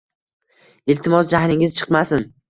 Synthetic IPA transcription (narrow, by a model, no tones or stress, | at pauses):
ɪlt̪ʰɪmɒsd͡ʒahɾɪŋɪzt͡ʃʰɨ̥qmasɪn